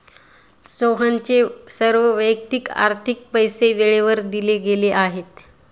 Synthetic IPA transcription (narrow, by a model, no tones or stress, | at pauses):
soɦaɲt͡sesəɾʋəʋəjk̚t̪ika̰ɾt̪ʰik̚pəjseʋeɭeʋəɾd̪ileɡeleʔaɦet̪